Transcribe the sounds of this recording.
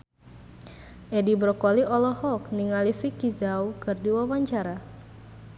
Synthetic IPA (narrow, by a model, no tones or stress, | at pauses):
ʔɛdibɾɔkɔliʔɔlɔhɔkniŋalifikizawkɨrdiwawaɲt͡ʃaɾa